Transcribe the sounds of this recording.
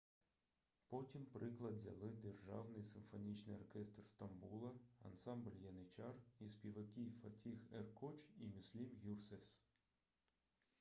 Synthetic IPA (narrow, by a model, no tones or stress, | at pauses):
pɔtʲimpɾɪklˠɐd̪zʲɐ̰lˠɪd̪erʒɑ̰wnɪjsɪmfɔnʲit͡ʃnɪ̰jɔrkʲɛst̪rst̪ɐmbulˠɐɐ̰nsɑmblʲjɐnɪt͡ʃɑrispʲiʋɐkʲijfɐtʲixerkɔt͡ʃimʲʊsʲlʲimɣʲursɛs